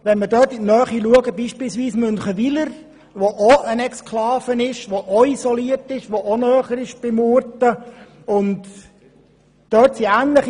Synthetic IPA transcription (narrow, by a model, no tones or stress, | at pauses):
ʋɛnmədœːtidnœːχiluəɡəbiːʃpiːlsʋiːsmɵnχəʋiləɾ | ʋoʔoənɛkskʰlɑːfənɪʃʋoʔɔisɔliərtɪʃʋoʔonœːχəɾɪʃb̥ɪmʊɾtə | ʊnt | d̥œːtsiæːnləχ